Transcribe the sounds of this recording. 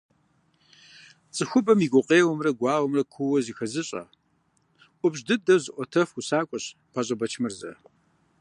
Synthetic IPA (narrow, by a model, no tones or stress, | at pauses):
t͡sʼɨxʷʊbɐmiɡʷʊqʼeːwɔmrɐɡʷɑːwɐmrɐkʷʰʊwɐzixɐzɨɕʼɐ̰ | ʔʷʊbʑdɨdɐwzɨʔʷɔtʰɐfsaːkʷʼɔɕ | pʰaɕʼɐbɐt͡ʃʰmɨrzɐ̰